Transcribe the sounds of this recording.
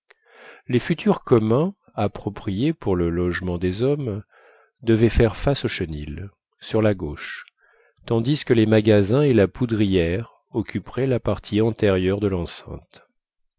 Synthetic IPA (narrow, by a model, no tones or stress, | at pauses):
lefyt̪ʰyʁkɔmɛ̃ | apχɔpχijepuʁləlɔʒmɑ̃d̪ezɔm | d̪əvɛfɛʁfasoʃənil | syʁlaɡoʃ | t̪ɑ̃d̪iskəlemaɡazɛ̃elapʰud̪ʁijɛʁ | ɔkʲypχɛlapaʁt̪ʰiɑ̃t̪ɛʁjœʁd̪əlɑ̃sɛ̰̃t̪